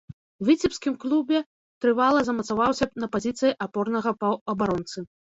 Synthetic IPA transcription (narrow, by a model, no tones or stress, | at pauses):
wvʲit͡sʲipskʲimklʲˠubʲɛ | t̪ɾɨvalˠɐzɐmɐt̪savawsʲɐnɐpazʲit̪sɨjiʔapɔrnɐɣɐɐɐbaɾɔnt̪sɨ